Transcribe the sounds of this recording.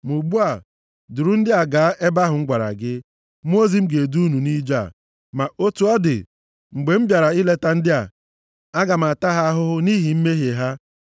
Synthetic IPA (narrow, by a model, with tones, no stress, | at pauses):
mu˨ɡ͡bu˦a˨ | dʊ˨ɾu˦n̩˦dɪ˦a˨ɡaː˨˦ʔe˦ba˦ɦʊ˨˦ŋ̩˦ɡʷa˨ɾa̰˨ɡɪ˦ | m˦o˦zi˨m̩˦ɡe˨du˦nu˨ni˦d͡ʒa̰˦˨ | ma˨ʔo˦tu˨ɔ˦dɪ̰˨ | ŋ͡m̩˨ɡ͡be˨m̩˦bja˨ɾa˨i˦le˦ta˦n̩˦dɪ˦a˨ | a˦ɡa˨m̩˨a˨ta˦ɦa˦ɦʊ˦ɦʊ˦ni˦ɦi˨m̩˦me˦ɦe˨ɦa˦